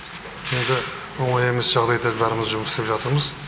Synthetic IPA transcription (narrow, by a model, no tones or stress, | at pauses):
end̪ɪ | wo̞ɴɑje̞me̞sʒ̥ɑʁd̪ɑjd̪ebæɾɪmɪzʒʊməsɪ̥st̪epʒɑt̪əɾməz